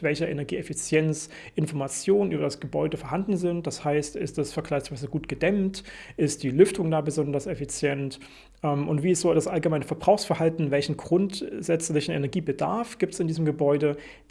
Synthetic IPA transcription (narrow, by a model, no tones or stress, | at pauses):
vɛlçɐʔɛnɛɐɡiːʔɛfit͡sjɛnt͡s | ʔɪnfɔɐmat͡sjoːnənʔyːbɐdasɡ̥əbɔʏdəfoːɐɦandn̩zɪnt̚d̥ashaɪstɪstɛsfɛɐkʰl̥aɪçsv̥aɪzəɡuːtɡ̥ədɛmtʔɪst̚d̥iːlʏftʰʊŋdaːbəzɔndɐsɛfit͡sjɛnt | ʔɛmʔʊntv̥iːɪstz̥oːdasʔalɡəmaɪnəfɛɐbʁaʊxsfɛɐɦaltn̩vɛlçn̩ɡʁʊntz̥ɛt͡slɪçn̩ɛ̰nɛɐɡiːbədaɐfɡ̥iːptsɪndiːzəm̩ɡəbɔʏdə